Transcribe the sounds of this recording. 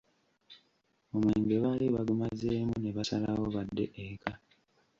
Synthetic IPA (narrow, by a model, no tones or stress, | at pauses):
omweːŋɡe̞βaːliβaɡumazeːmune̞βasalawo̞βadːe̞ʔekʰa